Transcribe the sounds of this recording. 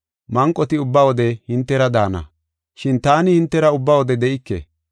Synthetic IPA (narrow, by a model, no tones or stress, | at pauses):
mɐŋkʼːɔt̪ɪʊbːawɔd̪ɛhɪnt̪ːɛɾɐd̪aːnɐ̰ | ʃɪnt̪aːnɪhɪnt̪ːɛɾɐʊbːawɔd̪ɛd̪ɛʔɪkːḛ